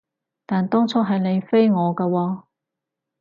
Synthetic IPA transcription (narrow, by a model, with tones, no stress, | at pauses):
t̪aː˨nt̪ɔː˥ŋt͡sʰɔː˥ɦɐ˨jne˨˧jfe˥jŋɔː˨˧kɐː˧waː˧